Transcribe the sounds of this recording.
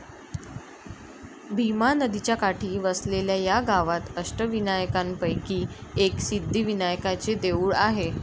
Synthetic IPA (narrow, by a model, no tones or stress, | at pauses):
bʱimanəd̪it͡ɕjakaʈʰiːʋəsleljajaɡaʋat̪əsʈəʋinajəkanpəjkiːeksid̪ʱːiʋinajəkat͡sed̪euɭaɦe